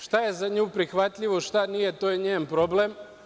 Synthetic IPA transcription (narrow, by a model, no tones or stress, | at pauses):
ʃt̪aje̞zaɲuːpɾixʋat̪ʎiʋo̞ʃt̪anijet̪oːjeɲeːnpɾo̞blem